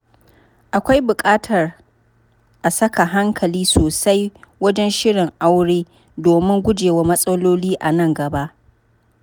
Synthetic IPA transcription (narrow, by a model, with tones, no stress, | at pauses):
ʔa˨kʷa˦jbʊ˨kʼaː˦tʰɐ˨r | ʔa˨sɐ˦ka˨ɦa˦ŋkʰɐ˨liː˦soː˨sa˦jwɐ˦d͡ʒɛ˦nʃɪ˦ɽɪ˨ŋʔa˦wɽeː˦ | doː˨mɪ˦ŋɡʷʊ˦d͡ʒeː˨wa˦mɐ˦sʼɐ˦loː˦liː˦ʔa˨nɐ˦˨ŋɡɐ˨ba˦ʔ